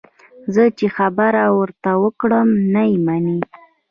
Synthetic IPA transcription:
zət͡ʃexabaɾawəɾt̪awəkɽəmnajemani

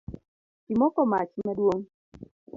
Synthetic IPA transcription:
imɔkɔmat͡ʃmadwoŋ

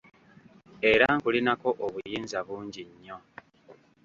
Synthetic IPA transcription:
e̞ɾaŋkulinako̞ʔoβujiːnzaβuːɲɟiɲːo̞

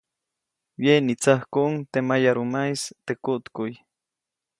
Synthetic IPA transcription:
wjenit͡sahkuʔŋt̪emajaɾumajst̪ekut̪kʊj

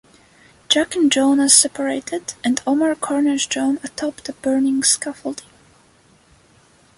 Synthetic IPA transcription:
d̥d͡ʒ̥ækɨ̃nd͡ʒõnəz̥sɛpʰə˞eɪtɪdɨ̃nɔməɹkʰɔɹnəʃd͡ʒõʊ̃nətʰɔptəbɜ˞nɪ̃ŋskʌfl̩ˠdi

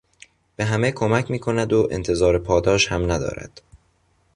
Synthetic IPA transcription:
b̥eɦæmekʰo̞mæcʰmiːkʰo̞næd̪oʔḛnt̪ʰe̞zɒːɾepʰɒːd̪ɒːʃhæmnæd̪ɒ̰ːɾæ̰d̪̥

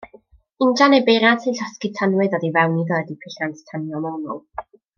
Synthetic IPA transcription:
ɪndanebejɾantʰɨnɬɔski̥tʰanwɨðɔdivɛwniðɔədipʰɪɬanstʰanjɔmɔnɔ̰lˠ

